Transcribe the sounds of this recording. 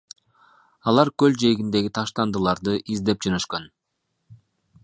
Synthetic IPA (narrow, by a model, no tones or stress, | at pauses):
ɑlˠɑɾkøld͡ʒe̞jɡʲind̪e̞ɡʲit̪ʰɑʃt̪ɑnd̪ɯlˠɑɾd̪ɯʔizd̪e̞p̚d͡ʒonøʃkøn